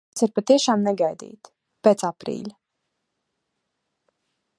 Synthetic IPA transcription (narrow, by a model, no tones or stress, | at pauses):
siɾpat̪iɛʃaːmnɛɡajd̪ḭːt̪ | pet̪sapɾḭːʎ